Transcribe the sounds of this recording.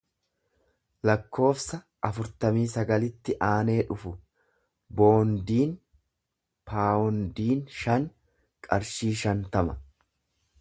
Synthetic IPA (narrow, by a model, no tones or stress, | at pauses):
lɐkːo̞ːfsɐ | ɐfʊɾt̪ɐmiːsɐɡɐlɪt̪ːɪʔaːne̞ːᶑʊfʊ | bo̞ːnd̪iːn | pʰaːɔnd̪iːnʃɐŋ | kʼɐɾʃiːʃɐnt̪ɐmɐ